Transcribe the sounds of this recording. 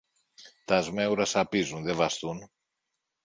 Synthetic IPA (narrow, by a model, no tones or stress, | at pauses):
t̪ɐzme̞uɾɐsɐpizunðe̞vɐst̪un